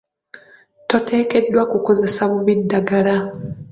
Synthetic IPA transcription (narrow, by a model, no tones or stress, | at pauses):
to̞tʰe̞ːke̞dːwakuko̞ze̞saβuβidːaɡala